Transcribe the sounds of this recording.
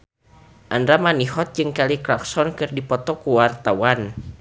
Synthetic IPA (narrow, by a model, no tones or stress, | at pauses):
ʔandɾamaniɦɔt̪̚d͡ʒɨŋkaliklaksɔnkɨrdipɔt̪ɔkuwart̪awan